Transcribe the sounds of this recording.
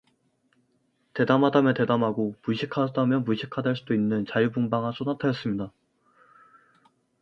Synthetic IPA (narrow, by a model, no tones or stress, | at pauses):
te̞damɦadamjete̞damɦaɡomuɕʰikʰadamjʌmuɕʰikʰadeɭs͈udoinːɯnt͡ɕajubumbaŋas͈onatʰajʌs͈ɯmɲida